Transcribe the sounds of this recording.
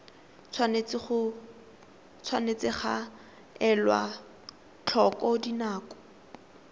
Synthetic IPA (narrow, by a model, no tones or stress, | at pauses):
t͡sʰwant͡sʊ | t͡sʰwanet͡sɪχa̰ | ɛlwa̰ | t͡ɬʰɔkɔdinaːkɔ̥